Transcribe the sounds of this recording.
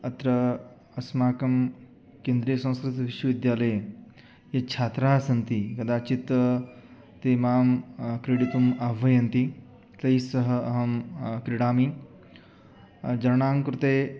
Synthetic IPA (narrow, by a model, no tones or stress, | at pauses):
ɐt̪ɾɐ | ɐsmaːkɐm | kẽːnd̪ɾiːjɐsɐ̃w̃skɾɪt̪iʋiʃʋɐʋid̪jaːlɐj | jet͡ʃʰaːt̪ɾaːsɐnt̪ikɐd̪aːt͡ʃit̪ɐ | t̪imaːmkɾeɽit̪umabʱʋɐjɐnt̪i | t̪ɐjsɐɦɐɐɦɐmkɾiɽaːmi | d͡ʒɐɾɐɳaːmkɾut̪eː